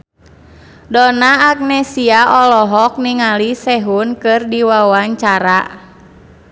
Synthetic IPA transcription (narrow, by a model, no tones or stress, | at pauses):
dɔnaːk̚nɛsiaʔɔlɔɦɔk̚niŋalisɛɦunkɨrdiwawaɲt͡ʃaɾa